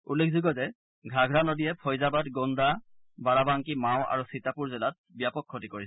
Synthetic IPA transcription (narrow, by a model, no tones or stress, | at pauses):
ulːekʰzuɡɔzɛ | ɡʱɹaɡʱɹalodijɛpʰɔjzabatɡonda | baɹabaŋkimaw̃ʔa̰ɹusitapuɹzɛlat̚bijapɔkʰːotikoɹisɛ